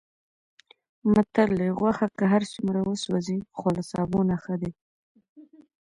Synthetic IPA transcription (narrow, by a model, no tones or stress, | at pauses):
mat̪aɾleɣwaxakaɦaɾsumɾawəswazixolasɑ̰bonaxad̪e